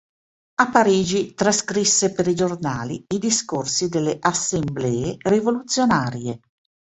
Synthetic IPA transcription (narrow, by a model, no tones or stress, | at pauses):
apaɾiːd͡ʒit̪ɾaskɾisːepeɾid͡ʒornaːlḭːd̪iskorsid̪elːeʔasːemblɛːerivolut̪sːjonaːɾje